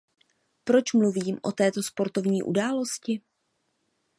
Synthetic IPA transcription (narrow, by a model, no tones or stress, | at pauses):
pɾo̞t͡ʃmluviːmʔo̞̰t̪ɛːt̪o̞spo̞ɾt̪o̞vɲiːʔṵdaːlo̞scɪ